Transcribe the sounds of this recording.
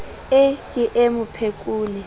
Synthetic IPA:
ekʼiʔemʊpʰekʼuːni

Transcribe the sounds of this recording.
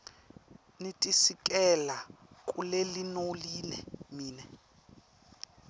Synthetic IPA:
nitʼisik̬ʼɛlakʼulelinoliːnɛ̰miːnɛ

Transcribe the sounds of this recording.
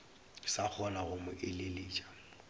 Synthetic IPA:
sak͡xʰɔnaɣʊmʊʔɪlɪlɪːt͡ʃʼḁ

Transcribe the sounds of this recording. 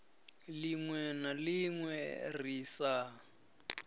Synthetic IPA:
liŋwɛnaliŋwɛ̰riːsa

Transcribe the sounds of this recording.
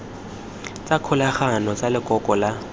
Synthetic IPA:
t͡sʼakʰʊlaχanɔt͡sʼalɪkʼɔkʼɔla

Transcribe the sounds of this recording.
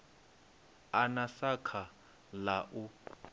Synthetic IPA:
anasakʰa | laʔu

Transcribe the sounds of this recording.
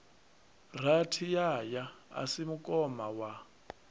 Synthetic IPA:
r̤atʰijajaa̰simukʼɔmawa

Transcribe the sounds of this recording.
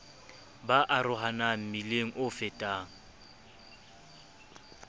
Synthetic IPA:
baʔarʊɦanam̩mileŋ̩ʔʊfɪtʼaːŋ̩

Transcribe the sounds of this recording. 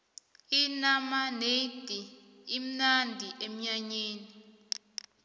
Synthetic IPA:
inamaned̥ʱi | im̩nandʱiʔem̩ɲaɲeːni

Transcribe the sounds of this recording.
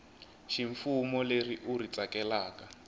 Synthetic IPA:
ʃiɱfumɔleriʔurit͡sakɛlaːka

